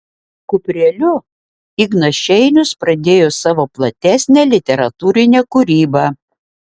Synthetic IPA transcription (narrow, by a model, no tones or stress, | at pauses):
kʊpʲɾʲelʲʊ | ɪɡnɐʃʲɛɪnʲʊspɾɐd̪ʲeːjoːsɑːʋoːplˠɐt̪ʲæsʲnʲɛːlʲɪt̪ʲɛɾɐt̪uːɾʲɪnʲɛkʊɾʲiːbɑː